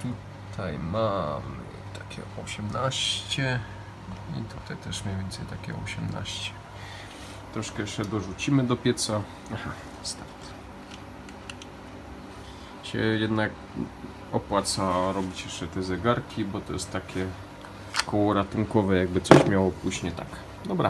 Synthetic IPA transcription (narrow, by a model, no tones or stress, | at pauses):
t̪u | t̪ʰajmamɘ̰ | t̪ḁkʲɛ̰ɔɕɛmnaɕt͡ɕɛ | ḭt̪ut̪ajt̪ɛʂmʲjɲejvʲɛnt̪sɛjt̪akʲɛ̰ɔ̰ɕɛmna̰ɕt͡ɕɛ̥ | t̪ɾɔʂkɛjɛʂt͡ʂɛd̪ɔʐut͡ɕimɘd̪ɔpʲjɛt̪sa | axa | st̪aɾt̪ | ɕɛ̰jɛd̪nak | ɔpwat̪saɾɔbʲit͡ɕjɛʂt͡ʂɛt̪ɛzɛɡaɾkʲibɔt̪ɔjɛst̪ːakʲɛ | kɔwɔɾat̪uŋkɔvɛjaɡ̚bɘt̪sɔɕmʲjawɔpuʑɲɛt̪a̰k | d̪ɔbɾa̰